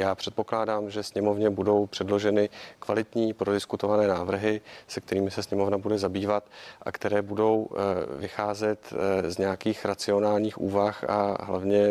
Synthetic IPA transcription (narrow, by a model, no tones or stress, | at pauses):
jaːpr̥ɛt̪̚po̞klaːdaːmʒɛsɲɛmo̞vɲɛbudo̞wpr̥ɛdlo̞ʒɛnɪkvalɪt̪ɲiːpɾo̞dɪskut̪o̞vanɛːnaːvr̩ɦɪsɛk̚t̪ɛɾiːmɪsɛsɲɛmo̞vnabudɛzabiːvat̪ʔa̰kt̪ɛɾɛːbudo̞wvɪxaːzɛt̪zɲɛakiːxɾat͡sɪo̞naːlɲiːxʔṵːvaxa̰ɦlavɲɛ